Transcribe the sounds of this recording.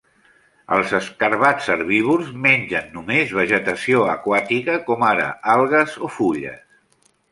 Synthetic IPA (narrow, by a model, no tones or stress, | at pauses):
ə̰lˠzəskəɾβat͡ssəɾβiβ̞ulzmeɲʲd͡ʒənːumezβ̞əʒət̪əsioəkwat̪ikəkɔmaɾə̰alˠɣəzofuʎə̰s